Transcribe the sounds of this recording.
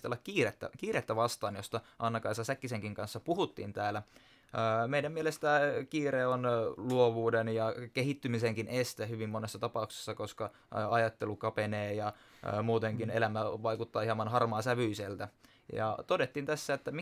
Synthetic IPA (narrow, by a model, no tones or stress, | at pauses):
t̪elːɑkkiːret̪ːæ̰kiːɾet̪ːæʋɑst̪ɑːnjost̪ɑʔɑnːɑkɑjsɑsækːiseŋkiŋkɑnsːɑpuhut̪ːḭːnt̪æːlæː | meidæmielest̪ækiːreonluoʋuːdenjɑkeɦit̪ːymiseŋkinʔest̪ehyʋimːonesːɑt̪ɑpɑukse̥sːɑko̞skɑ | ɑjɑt̪ːelukɑpeneːjɑ | muːt̪eŋkinelæmæʋɑikut̪ːɑːiɑmːɑnɦɑrmɑːsæʋyiselt̪æ | jɑ̰t̪odet̪ːiːnt̪æsːæet̪ːæmi